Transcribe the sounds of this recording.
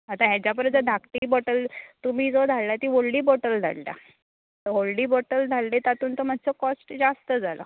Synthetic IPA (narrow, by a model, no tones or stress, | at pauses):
at̪aɦjat͡ɕapəɾd͡zəd̪ʱakʈ̪iːbɔʈəlt̪um̤iːd͡zod̪ʱalːat̪iːʋoɭɖiːbɔʈəld͡z̪ʱa̰llja̰ | t̪əʋoɭɖiːbɔʈəld͡z̪ʱallet̪at̪uːnt̪omadʱsəkɔsʈd͡zast̪əd͡zʱalə̰